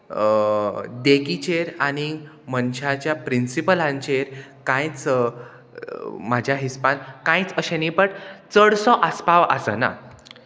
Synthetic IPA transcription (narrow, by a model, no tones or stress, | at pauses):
d̪ekit͡ɕeɾaɽ̃i | mənɕat͡ɕjapɾinsipəlãɲt͡ɕeɾkãjt͡s | m̤ad͡ʑʱjaɦispãnkãjt͡səɕẽnipəʈt͡səɽsɔʔaspaʋa̰səna̰